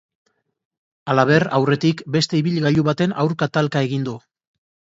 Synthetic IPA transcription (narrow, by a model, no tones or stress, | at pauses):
alaβ̞e̞rawre̞t̪ikbe̞st̪e̞iβiʎɣaʎuβat̪e̞nawɾkat̪alkae̞ɣind̪u